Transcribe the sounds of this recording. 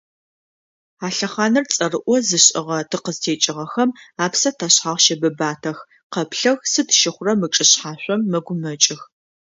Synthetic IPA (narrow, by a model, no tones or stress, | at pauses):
aːɬɐχaːnɨrt͡sʼɐrɨʔʷɔzɨɕʼɪʁɐtʰɨqəztʰeːt͡ʃʼɪʁɐxɐmaːpsɐtʰɐɕħaːʁʃɐbɐbaːtʰɐx | qɐpɬɐɣsɨtʰʃɪχʷʊrɐmɨt͡ʃʼɨɕħaːɕʷʼɔmːɐɡʷʊmɐt͡ʃʼɪx